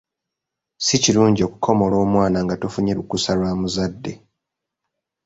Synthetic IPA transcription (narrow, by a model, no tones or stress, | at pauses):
siciluːɲɟio̞kukʰo̞mo̞lo̞ːmwaːnaŋɡatufuɲeɾukusalwaːmuzadːe̞